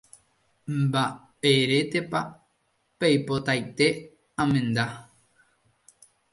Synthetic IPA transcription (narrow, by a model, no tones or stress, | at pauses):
mba | eɾe̞t̪e̞pa | pejpo̞t̪ajt̪e̞ | ãmẽ̞nd̪a